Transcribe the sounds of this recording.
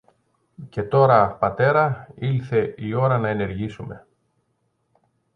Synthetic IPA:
ce̞t̪o̞ɾɐpɐt̪e̞ɾɐilθe̞ʔio̞ɾɐnɐene̞ɾʝisume̞

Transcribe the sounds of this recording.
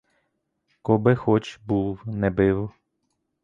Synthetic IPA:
kɔbɪxɔt͡ʃbuwnɛbɪw

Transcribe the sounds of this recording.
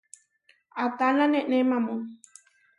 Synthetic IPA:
at̪alãnẽʔnẽmãmõ

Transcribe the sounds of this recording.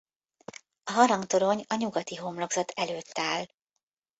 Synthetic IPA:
ɒɦɒɾɒŋt̪o̞ɾo̞ɲɒɲuɡɒt̪iɦomloɡzɒt̪ʰɛløːt̪ːaːl

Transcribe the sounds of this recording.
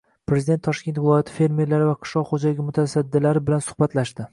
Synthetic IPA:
pɾe̞zid̪et̪ʰːɒʃkʲe̞nt̪vɪlˠɒjat̪ʰɪ̥fe̞ɾme̞ɾlaɾɪvaqʰɨ̥ʃlˠɒqχod͡ʒalɪɡʲɪmʊt̪ʰasad̪ːɪlaɾɪbɪlansʊ̥hbat̪laʃd̪ɪ

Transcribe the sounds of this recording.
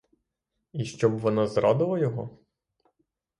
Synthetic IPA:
iʃt͡ʃɔbʋɔnɔzɾɑd̪ɪlˠɐjɔɦɔ

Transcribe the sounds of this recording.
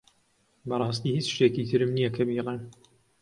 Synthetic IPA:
bɐrˤɑːst̪iːhit͡ʃʃt̪eːkit̪ʰɨɾɨmnijɐkʰɐbiːlen

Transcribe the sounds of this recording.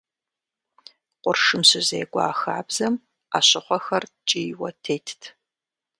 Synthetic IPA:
qʷʊrʂɨmsɨzeːɡʷʼɑ̰ːxaːbz̥ɐm | a̰ːɕɪχʷɔxɐrt͡ʃʼijwɐtʰeːjtʰtʰ

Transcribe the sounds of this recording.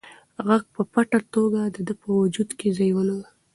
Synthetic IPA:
ɣaɡ̚pəpaʈat̪oɡad̪əd̪əpəwʊd͡ʒud̪kezajwənaw

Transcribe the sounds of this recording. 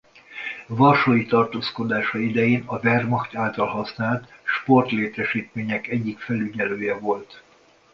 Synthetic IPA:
vɒrʃoːjit̪ɒrt̪oːskod̪aːʃɒid̪ɛjeːnɒvɛrmɒxt̪aːlt̪ɒlɦɒsnaːlt̪ʃpo̞rt̪leːt̪ɛʃiːt̪meːɲɛkɛɟːikfɛlyɟɛløːjɛvo̞lt̪

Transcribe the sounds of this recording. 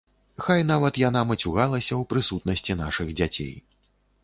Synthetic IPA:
xajnavɐt̪jan̪amɐt͡sʲuɣalˠɐsʲɐwpɾɨsut̪̚nɐsʲt͡sʲin̪aʂɨɣd͡zʲat͡sʲḛj

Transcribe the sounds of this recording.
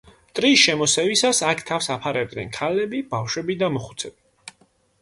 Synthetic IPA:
t̪ʼɾiːsʃɛmɔsɛvisasakʰt̪ʰafsapʰaɾɛb̚d̪nɛ̰nkʰalɛbib̥afʃwɛbid̪amɔχu̥t̪sʰɛbi

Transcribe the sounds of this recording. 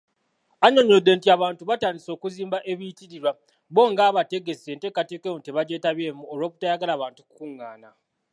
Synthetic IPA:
aɲo̞ɲodːe̞ntiaβaːntuβataːndiso̞ːkuziːmbaʔeβitiɾiɾwa | βo̞ːŋɡaːβate̞ɡe̞se̞ːnte̞ːkate̞ːkemuteβaɟe̞ːtaβje̞ːmuolwo̞ːku̥tajaɡalaːβaːntukukuŋːaːna

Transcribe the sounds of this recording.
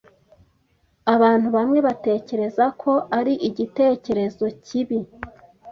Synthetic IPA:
aβaːn̥huβamŋe̞βate̞ːce̞ɾe̞zakʰo̞ʔaɾiʔiɟite̞ːce̞ɾe̞zo̞ciβi

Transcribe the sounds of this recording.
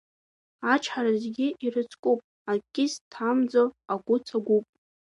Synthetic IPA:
at͡ʃʰħaɾazɡʲiʔirɨt͡sʰʼkʼupʼ | akʲʼɪstʰamd͡zoaɡʷʊt͡sʰaɡʷupʼ

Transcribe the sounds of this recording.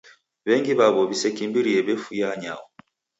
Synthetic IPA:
βɛŋɡiβaβɔβisɛkimbiɾiɛβɛfujaɲa̰wɔ

